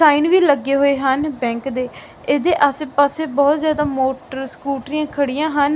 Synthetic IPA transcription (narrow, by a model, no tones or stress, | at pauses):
saːinʋiːləɡeːɦoːeːɦənbɛ̃ːŋkd̪eː | eːd̪eːʔəsepaːseːbɔːt̪zjaːd̪aːmoːʈəɾskuːʈɾijãːkʰəɽijãːɦən